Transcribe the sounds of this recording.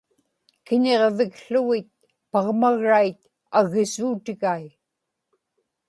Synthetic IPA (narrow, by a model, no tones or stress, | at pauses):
kɪɲeʁvɪkɬʊɣɪt̪̚ | pɑʁmaɣɻajt̪ | aɣɪsuːt̪ɪɣaj